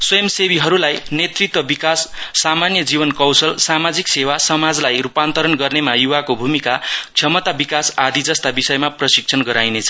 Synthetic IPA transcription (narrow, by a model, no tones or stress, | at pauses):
swʌjʌmsebiɦʌɾulajnet̪rik̚t̪wʌbikasːamanjʌd͡zibʌnkʌwsʌlsamad͡ziksewasʌmad͡zlajɾupant̪ʌɾʌnɡʌrnemajuwakobʱumikakt͡sʰʌmʌt̪abikasad̪ʱid͡zʌst̪abisʌjmaprʌsik̚t͡sʰʌnɡʌɾajnet͡sʰʌ